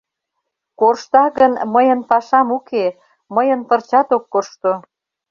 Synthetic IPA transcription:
koʃt̪ɑɣənməjənpɑʃɑmuke | məjənpərt͡ɕɑt̪okːoʃt̪o

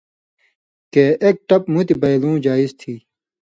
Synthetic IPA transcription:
keʔek̚ʈɐpmũt̪ibɐjlũːd͡ʑaːizt̪ʰiː

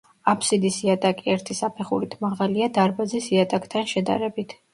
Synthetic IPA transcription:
apʰsid̪isiat̪ʼakʼiɛɾt̪ʰisapʰɛχuɾit̪ʰmaʁaliad̪aɾbazisiat̪ʼakʼt̪ʰanʃɛd̪a̰ɾɛbit̪ʰ

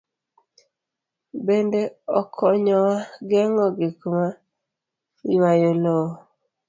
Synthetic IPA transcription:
bendeɔkʰɔɲɔwaɡɛŋɔɡekuma | iwajolɔ

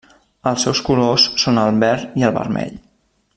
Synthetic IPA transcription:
əlˠsɛwskulosːonəlˠβɛɾiəlˠβə̰ɾmɛ̰ʎ

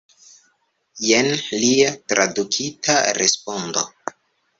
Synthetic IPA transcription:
jenliatɾadukʰitʰaɾespondo̰

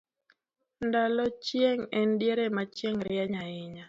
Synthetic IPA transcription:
ndalɔt͡ʃjeŋɛndjeɾemat͡ʃjeŋɾɪaɲaɪɲa

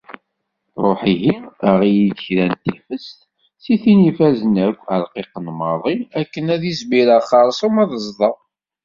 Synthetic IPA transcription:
ɾˤoħiʝiəʁijid̪çɾænt̪ifəst̪ | siθinifæzənækʷːəlqiqənmɑðˤiækːənæðizmiɾæχɑɾˤsəmɑðˤəzˤðˤɑ

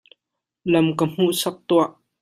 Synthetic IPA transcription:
lɐmkəm̥uʔsɐk̚t̪uaʔ

